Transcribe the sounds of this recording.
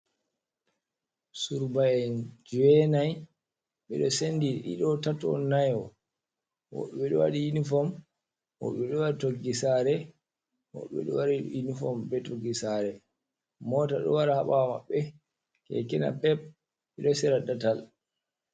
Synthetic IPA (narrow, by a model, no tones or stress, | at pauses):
suɾbaɛnd͡ʒuwɛnaj | ɓɛɗɔsendiḭɗɔtatɔ̰najɔ | wɔ̰ɓɛɗɔwa̰ɗijinifɔm | wɔ̰ɓɛɗɔwaɗitoɡisaɾɛ | wɔ̰ɓɛ̰ɗɔwaɾiinifɔmbɛtoɡːisaɾɛ | mɔtaɗɔ̰waɾahaɓama̰ɓːɛ | kɛ̰kɛna̰pɛb̚ | ɛɗɔsɛɾadatal